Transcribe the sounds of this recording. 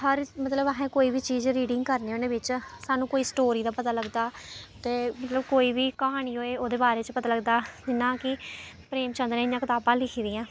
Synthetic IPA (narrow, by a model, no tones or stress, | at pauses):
ɦəɾmət̪ləbəɦẽːkoːiːbiːt͡ʃiːzɾiːɖɪ̃ŋɡkəɾneːonẽːbɪt͡ʃsaːnũːkoːiːsʈoːɾiːd̪aːpət̪aːləɡd̪aːt̪eːmət̪ləbkoːiːbiːkəɦaːɽ̃iːɦoːeːoːd̪eːbaːɾeːt͡ʃəpət̪aːləɡd̪aːd͡ʒɪnːãːkɪ | pɾeːmt͡ʃə̃nd̪ɾẽːɪjãːkɪt̪aːbãːlɪkʰiːd̪ɪːãː